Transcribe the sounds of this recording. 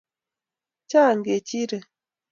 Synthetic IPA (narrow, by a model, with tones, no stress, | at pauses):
t͡ʃa˦˨ŋ˨ɡe˨t͡ʃi˦ɾe˨